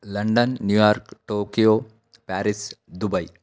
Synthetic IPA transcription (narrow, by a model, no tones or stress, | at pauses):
lɐɳɖənːjujaːɾkʈoːkijoː | pæːɾisd̪ubɐi